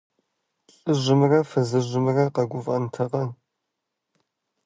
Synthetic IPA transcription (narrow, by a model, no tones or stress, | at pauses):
ɕʼɨʒʷɨmɨrɐfɨzɨʒʷɨmɨrɐqɐɡʷʊvʼɐ̰ntʰɐqɐ